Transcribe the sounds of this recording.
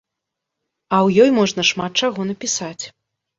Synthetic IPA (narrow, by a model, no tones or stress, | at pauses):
ɐwjɔjmɔʐnɐʂmat̪̚t͡ʂaɣɔnɐpʲisat͡sʲ